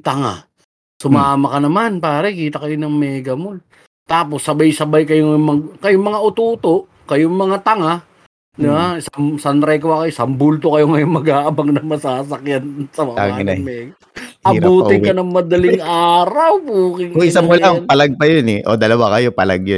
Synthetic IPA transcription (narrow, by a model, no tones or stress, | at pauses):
t̪ɐŋa̰ | sʊmaːmɐkɐnɐmanpaːɾɐikiːt̪ɐkɐjonɐŋmɛːɡɐmol | t̪aːposːɐbajsɐbajkɐjoŋjmɐɡkɐjoŋmɐŋaʔʊt̪uːt̪o̞ʔ | kɐjoŋmɐŋat̪ɐŋa | d̪ɪbasɐmsɐnɾajkowakɐjsɐmbult̪okɐjoŋɐjoŋmɐɡaːʔɐbɐŋnɐŋmɐsaːsɐkjansɐmɐa̰ana̰mɛːɡɐ | ɐbuːɪŋkɐnɐŋmɐd̪ɐlɪŋʔaːɾɐwpuːkɪŋkʊŋɪsamolanpɐlaɡ̚pɐjonɛʔo̰d̪ɐlɐwakɐjopɐla̰ɡ̚jo